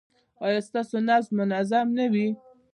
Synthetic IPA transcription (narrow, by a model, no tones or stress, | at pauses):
ɑjɑst̪ɑsonazlmʊnazamnawi